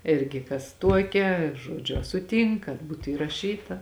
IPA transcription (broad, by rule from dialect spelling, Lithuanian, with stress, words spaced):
ˈɪrʲɡʲɪ kɐs ˈtuɔkʲɛ ˈʒuɔd͡ʒʲʊ ɐ sʊˈtʲiːŋk kɐt ˈbuːtʊ iːrɐˈʃʲiːtɐ